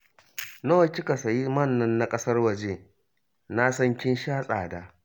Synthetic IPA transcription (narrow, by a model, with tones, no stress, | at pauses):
no˦ɐ˦˨kʲɪ˦ka˨sɐ˨ji˦mɐ˦˨nːɐ˦nːa˦kʼɐ˦sɐ˦rwɐ˨d͡ʒeː˦ | na˦sɐ˦ŋkʲɪ˦nʃaː˦sʼaː˨daː˦